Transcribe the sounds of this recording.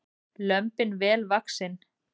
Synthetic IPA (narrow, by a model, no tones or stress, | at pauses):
lœmpɪnvɛːlvaksɪn